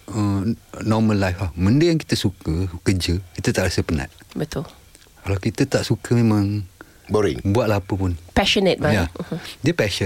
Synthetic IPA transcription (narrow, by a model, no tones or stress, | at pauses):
ənɔmə̃lːajflahmə̃ndəjaŋki̥t̪əsukəkəd͡ʒəkit̪ət̪aʔɾasəpəna̰ʔ̚bət̪ʊl | kalawkit̪ət̪aʔsukʰəmẽmãŋ | boɾɪ̰ŋbuat̪̚lapəpʊnpɛʃɔnɛt̪̚bajadiəpɛʃə